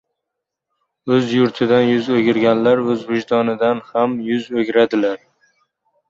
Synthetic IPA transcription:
ɵzjʊɾt̪ʰɪd̪anjʊzoɡʲɪɾɡʲanlaɾɵzvɪʒt̪ʰɒnɪd̪anhamjʊzoɡʲɾad̪ɪlaɾ

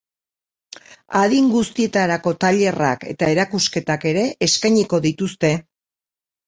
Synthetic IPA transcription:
aðiŋɡust̪ie̞t̪aɾako̞t̪aʎe̞ra̰ke̞̰t̪ae̞ɾakuske̞t̪ake̞ɾe̞ʔeskajɲiko̞ðit̪ust̪e̞

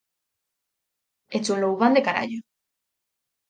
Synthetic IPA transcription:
et͡sulouβand̪ekaɾa̰ʎo

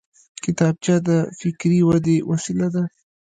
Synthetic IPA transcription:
kɪt̪ɑb̚t͡ʃɑd̪əfɪkɾiwad̪ewasilad̪a

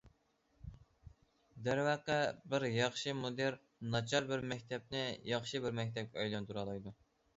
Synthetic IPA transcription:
d̪æɾwæqəbɪɾjɑχʃɨmod̪eɾ | nɑt͡ʃʰɑɾbɪɾmɛk̚ʲt̪ʰɛp̚nɪjɑχʃɨbɪɾmɛk̚ʲt̪ʰɛp̚kʲɛɑjlˠɑnt̪uɾɑlˠɑjd̪u

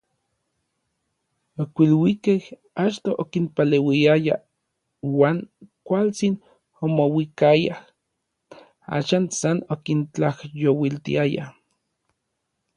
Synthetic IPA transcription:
okʷilwikeh | at͡ʃt̪oʔokinpalewiaja̰ | waːŋkʷalt͡sin | omowikajah | a̰ʃaːnsanokint͡ɬahjowilt̪ḭaja̰

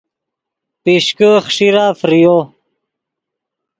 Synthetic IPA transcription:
piɕkəχʂiɾaːfɾijo

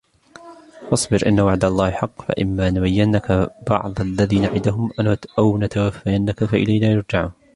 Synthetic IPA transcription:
fɑsˤbɪɾʔɪ̰nːawaʕd̪alˤːɑːhɪħɑqːfa̰ʔɪmːaːʔnbajːɪnːakabɑ̰ʕd̪ˤalːaðiːnaʕɪd̪aɦʊmaʔawnat̪awafːajanːakafaʔɪ̰lahlaːjʊɾˤd͡ʒaʕuːn

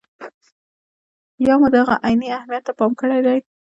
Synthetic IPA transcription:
jɑmud̪aɣa̰ʔajniahmijat̪ːapɑmkəɽajd̪aj

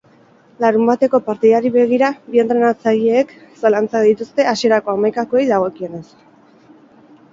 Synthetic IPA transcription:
laɾumbat̪e̞ko̞paɾt̪iðaɾiβe̞ɣ̞iɾaβie̞nt̪ɾe̞nat͡saʎeːksalant͡saðit̪ust̪e̞asie̞ɾako̞amajkakoejðaɣ̞o̞kie̞ne̞s

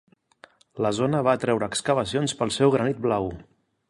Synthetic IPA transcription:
ləzonəβ̞at̪ɾɛwɾəːkskəβəsionspəlˠsɛwɣɾənit̪̚blaw

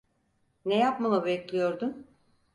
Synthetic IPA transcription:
nejapmalˠabɛclʲijo̞ɾd̪un

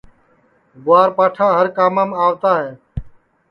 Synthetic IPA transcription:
ɡʊaːɾpaːʈʰaːɦəɾkaːmaːmaːʋt̪aːɦɛː

